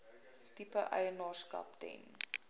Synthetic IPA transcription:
tipəʔɐ̰jənɑːrskɐ̰ptɛ̰n

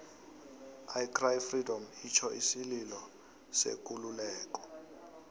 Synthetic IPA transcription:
ajkrajfridɔmit͡ʃʰɔʔisililɔ | sḛk̬ʼululɛːk̬ʼɔ̥

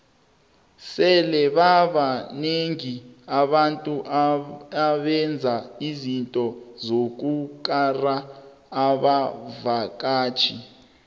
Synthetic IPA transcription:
sɛlɛɓaɓaneŋiaɓantʼuʔaɓɛnd͡zʱaizintʼɔzok̬ukʼara | aːɓavak̬ʼaːt͡ʃʰi

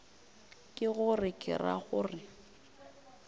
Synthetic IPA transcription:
kʼɪɣʊrɪkʼɪ̰ra̰ɣʊrɪ

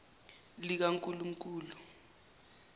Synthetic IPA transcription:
lik̬aŋkʼulum̩k̬ʼuːlu

